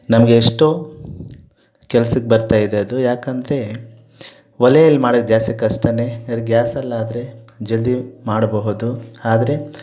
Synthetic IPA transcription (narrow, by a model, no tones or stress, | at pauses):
nɐmɐɡeːʂʈoː | kɛlɐsɐkːebɐɾt̪aːjid̪eɐd̪ujaːkɐnd̪ɐɾe̞ | ʋɐlɛjɐlːimaːɽɐɡjaːsikɐʂʈɐne̞ɐɾɡjaːsɐlːaːd̪ɾe̞d͡ʒeld̪imaːɽbɐɦud̪uaːd̪ɐɾe̞